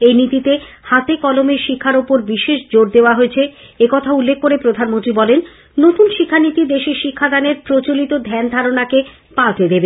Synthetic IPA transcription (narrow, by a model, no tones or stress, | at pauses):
ejnit̪it̪e | hat̪ekɔlomeʃikʰːaɾopoɾbiʃeʃd͡ʑoɾd̪eoaɦoet͡ɕʰeekɔt̪ʰaulːekʰːoɾepɾod̪ʱanmont̪ɾibɔlenː | ot̪unʃikʰːanit̪id̪eʃeʃikʰːad̪aneɾpɾot͡ɕolit̪od̪ʱɛnd̪ʱaɾonake | pat̪ed̪ebe